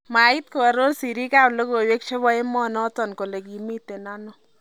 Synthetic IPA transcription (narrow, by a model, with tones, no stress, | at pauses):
ma˨i˦t̚ko˨a˨ɾo˦lsi˨ɾi˦ka˦˨plo˦ko˨we˦kʃe˦βɔ˦e˦mɔ˦nɔ˦tɔ˨nko˨le˨ki˨mi˦te˨na˦nɔ˨